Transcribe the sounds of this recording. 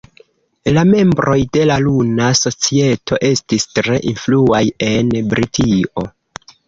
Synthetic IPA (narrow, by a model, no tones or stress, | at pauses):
lame̞mbɾo̞jde̞lalunaso̞t͡sie̞tʰo̞ʔe̞stistɾe̞ʔinfluaje̞nbɾitio̞